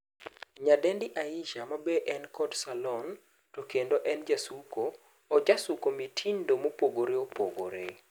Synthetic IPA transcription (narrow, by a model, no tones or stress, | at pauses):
ɲadɛndɪʔaiʃamabeʔɛnkɔdsalɔn | tokendoʔɛnd͡ʒasukoː | d͡ʒasukomitʰindomopoɡoɾeopoɡo̰ɾḛ